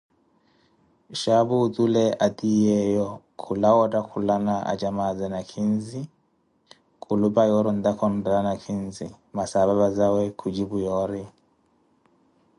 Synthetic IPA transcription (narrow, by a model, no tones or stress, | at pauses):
ʃaβut̪ʼulɛʔat̪ʼijɛjɔkʰulawɔtʼakʰulanaʔa̰t͡ʃʼamad͡zɛnakʰinzi | kʼulupʼajɔɾɔn̩d̪akʰɔn̩dɛanakʰinzḭ | masaβaβazawɛkʰud͡ʒiβujɔːɾi